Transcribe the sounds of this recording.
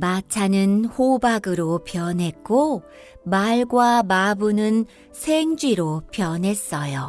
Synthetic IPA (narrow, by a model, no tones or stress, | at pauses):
mat͡ɕʰanɯnhobaɡɯɾopjʌnɦe̞k̚k͈o | maɭɡwamabunɯn | sʰeŋd͡ʑiɾopjʌnɦe̞s͈ʌjo